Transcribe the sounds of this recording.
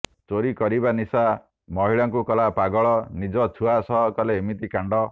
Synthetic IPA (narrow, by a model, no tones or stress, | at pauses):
t͡ʃoɾikɔɾibanisa | mɔɦiɭaŋkukɔlapaɡɔɭɔnid͡ʒɔt̪ʰuasɔkɔleːmit̪ikaɳɖɔ